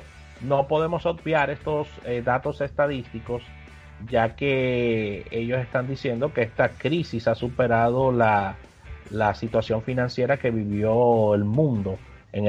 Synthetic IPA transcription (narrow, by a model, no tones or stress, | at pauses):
no̞po̞ðe̞mo̞so̞d̪̚bjaɾe̞st̪o̞sed̪at̪o̞se̞st̪aðist̪iko̞s | ɟ͡ʝake̞ | e̞ʝo̞se̞st̪and̪isje̞nd̪o̞ke̞est̪akɾisisasupe̞ɾað̞o̞la | lasit̪wasjo̞ŋfinãnsje̞ɾake̞βiβjo̞elmũnd̪o̞ | eŋ